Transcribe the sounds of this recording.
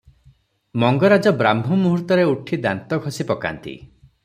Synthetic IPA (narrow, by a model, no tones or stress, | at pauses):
mɔŋɡɔɾad͡ʒɔbɾambʱumuɦuɾt̪ɔɾeuʈʰid̪ant̪ɔɡʱɔsipɔka̰nt̪ḭ